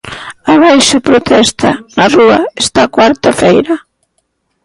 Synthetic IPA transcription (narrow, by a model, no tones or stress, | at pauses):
aβajʃapɾot̪ɛst̪a̰nɐruɐest̪akwaɾt̪afejɾɐ